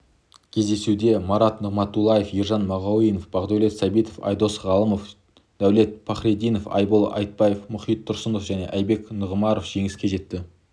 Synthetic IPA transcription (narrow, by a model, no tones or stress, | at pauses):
kʲʰe̞zd̪e̞sud̪e̞mɑɾɑt̪nəʁmɑt̪ulˠːɑjefjiɾʒɑnmɑʁɑwijnofb̥ɑʁd̪ole̞t̪sɑbijt̪ofɑ̰jd̪o̞sʁɑlˠəmof | d̪̥æwle̞t̪̚pʰɑχɾed̪ijnofɑ̰jbəlˠʔɑ̰jt̪̚pɑjefmʊχijt̪ʰːʊɾsənd̪ofʒæne̞̰ʔæjbe̞knəʁəmɑɾofʒ̥e̞ŋɪskʲe̞ʒe̞t̪ːɪ